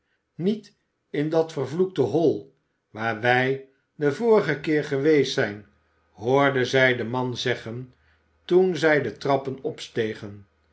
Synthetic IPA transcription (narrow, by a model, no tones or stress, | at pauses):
nit | ɪndɑtfəɹvluk̚təɦɔlˠ | ʋaːɹʋɛj | dəvʊːɾəχəkɪːɹχəʋejsɛjn | ɦʊːɹdəzɛjdəmɑnzɛχən | tunzɛjdətrɑpənɔpstejχən